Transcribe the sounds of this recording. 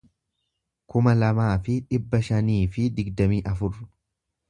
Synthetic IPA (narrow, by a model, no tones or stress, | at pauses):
kʊmɐlɐmaːfɪᶑɪbːɐʃɐniːfɪd̪ɪɡd̪ɐmiːʔɐfʊrʊ